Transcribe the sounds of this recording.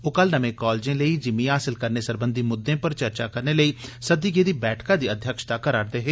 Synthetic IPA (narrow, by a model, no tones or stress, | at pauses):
ʊkəlnəmẽːkɔːld͡ʒẽːləiːd͡ʒɪmẽːɦaːsɪlkəɾneːsəɾbənd̪iːmʊd̪ːẽːpəɾt͡ʃəɾt͡ʃaːkəɾneːləiːsəd̪iːɡeːd̪iːbɛːʈkãːd̪iːəd̪ʱjəkʃt̪aːkəɾaːɾd̪eːɦeː